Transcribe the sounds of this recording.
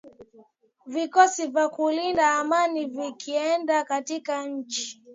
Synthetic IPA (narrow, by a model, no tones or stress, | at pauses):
vikɔsivakulindaːmanivikʰiɛndakatikaɲ̩t͡ʃi̥